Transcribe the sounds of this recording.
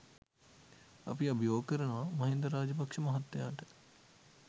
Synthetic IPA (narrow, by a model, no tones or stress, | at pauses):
ɐpiɐbʱijoːɡkəɾənoʋamɐɦind̪ɾɐɾaːd͡ʒɐpakʂəmɐɦɐt̪ːejaːʈə̥